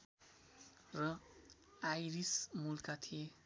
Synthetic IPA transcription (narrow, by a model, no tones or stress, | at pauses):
rʌ | ajɾismulkat̪ʰije